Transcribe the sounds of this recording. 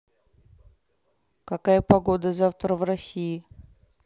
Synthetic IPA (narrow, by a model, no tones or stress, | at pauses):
kɐkajəpɐɡod̪əzaft̪ɾəvrɐsʲiɪ